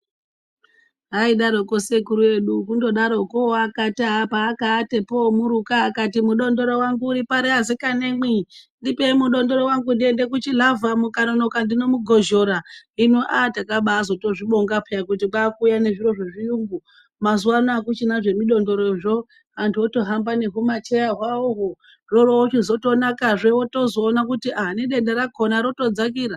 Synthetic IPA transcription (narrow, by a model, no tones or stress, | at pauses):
ɦaiɗaɾoko̞se̞kuɾue̞ɗukundo̞ɗaɾo̞koakataɦapaːkaːtepomuɾukaːkatimuɗo̞ndo̞ɾo̞waŋɡuːɾipaɾeɦazikanemwindipe̞imuɗo̞ndo̞ɾo̞waŋɡundiende̞kut͡ʃilavamukanono̞kandino̞muɡʱoʒo̞ɾainoʔatakaɓaːzo̞to̞ʐiɓo̞ŋɡapʰejak̬utiɓaːkuːjane̞ʐiro̞ʐeʐiuːŋɡu | mazuwanoakut͡ʃinaʐe̞miɗo̞ndo̞ɾoʐo̞ | antʰuoto̞ɦambane̞ɦumat͡ʃejaɦwaoɦo | ro̞rowot͡ʃizo̞to̞nakaʐewoto̞zo̞ːnakutiʔaɦniɗe̞ndeɾakʰonaɾo̞to̞d͡zak̬iːɾa